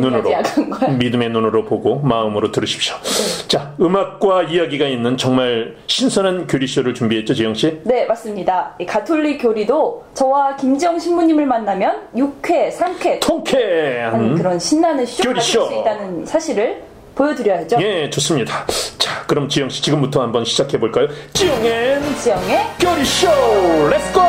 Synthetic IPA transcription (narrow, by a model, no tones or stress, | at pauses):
nunɯɾoknɡʌmidɯme̞nunɯɾopoɡomaɯmɯɾotɯɾɯɕʰi̥p̚ɕ͈jo̥t͡ɕaɯmak̚k͈waijaɡiɡainːɯnt͡ɕʌŋmaɭ | ɕʰinsʰʌnankjoɾiɕ͈oɾɯɭt͡ɕumbiɦe̞t̚t͡ɕ͈ot͡ɕijʌŋɕ͈ine̞mas͈ɯmɲidaikatʰoʎːikjoɾidot͡ɕʌwakimd͡ʑʌŋɕʰinːuɲimɯɭmanːamjʌnjukʰe̞sʰaŋkʰe̞tʰoŋkʰeankɯɾʌnɕʰinːanɯɕkjoɾiɕosit͈anɯnsʰaɕʰiɾɯɭ | pojʌdɯɾjʌjed͡ʑoje̞t͡ɕos͈ɯmɲidat͡ɕḁkɯɾʌmt͡ɕijʌŋɕ͈i̥t͡ɕiɡɯmbutʰʌhambʌnɕʰid͡ʑakʰe̞boɭk͈ajot͡ɕijʌŋet͡ɕijʌŋe̞kjoɾiɕoɾestʰo